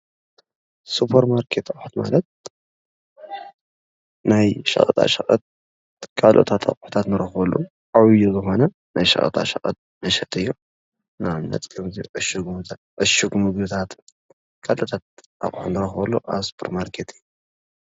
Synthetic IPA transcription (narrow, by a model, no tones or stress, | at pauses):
supʰɐɾmaɾkʰet̪aχʼħut̪ma̰lɐt̪̚ | najʃɐ̰χʼɐt̪ʼa̰ʃɐχʼɐt̪̚ | kʰalʔo̰t̪ʰat̪ʰa̰χʼħu̥t̪ʰat̪nɨɾɐxbɐlːṵ | ʔawjuzɨxo̞nɐ | najʃɐ̰xʼɐ̰t̪ʼa̰ʃɐχʼɐ̰t̪̚ | mɐʃɐt̪ɨjːu | naβnɐ̰t͡sʼkʰɐmziʔɨʃuɡmʰa | ʔɨʃuɡmɨɡbɨt̪ʰat̪ | kʰalʔot̪ʰat̪̚ʔa̰χʼħunɨɾɐxbɐlːuʔaβsu̥pʰɐɾmaɾkʰet̪ʰɨjːu